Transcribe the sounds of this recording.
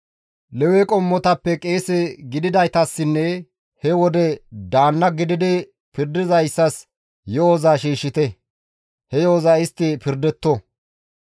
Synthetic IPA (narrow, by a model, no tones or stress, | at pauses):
lɛwɛkʼɔmːɔt̪ɐpːɛkʼe̞ːsɛɡɪd̪ɪd̪ɐjt̪ɐsːɪnːɛ | hɛwɔd̪ɛd̪aːnːɐɡɪd̪ɪd̪ɪ | pɪɾd̪ɪzɐjsːɐs | joːzaːʃiːʃːɪt̪ɛ | hɛjoːzaɪst̪ːɪpɪɾd̪ɛt̪ːɔ